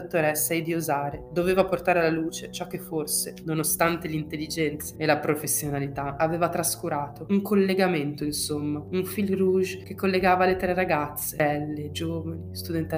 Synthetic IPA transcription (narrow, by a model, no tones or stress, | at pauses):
t̪ːoɾɛsːajd̪iozaːɾed̪oveːvaport̪aːɾealːaluːt͡ʃet͡ʃɔkːefːorsenonost̪ant̪elint̪elːid͡ʒɛnt̪sḁelapɾofesːjonalit̪aaveːvat̪ɾaskuɾaːt̪ouŋkʰolːeɡament̪oinsomːauɱfilruʒkekːolːeɡaːvaːlːet̪ɾeraɡat̪sːeɛlːed͡ʒoːvanist̪ud̪ɛnt̪